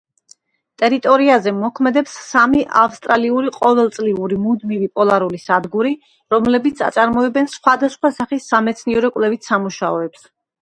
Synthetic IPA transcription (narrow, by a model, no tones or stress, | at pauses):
t̪ʼɛɾit̪ʼɔɾiazɛmɔkʰmɛd̪ɛpsːamiʔafst̪ʼɾaliuɾiqʼɔvɛlˠt̪sʼliuɾimud̪mivipʼɔlˠaɾulisad̪ɡuɾi | ɾɔmlɛbit̪sʰa̰t̪sʼaɾmɔɛbɛnsχwad̪asχwasaχisːamɛt̪sʰniɛɾɔkʼwlɛvit̪ʰsamuʃaɔɛps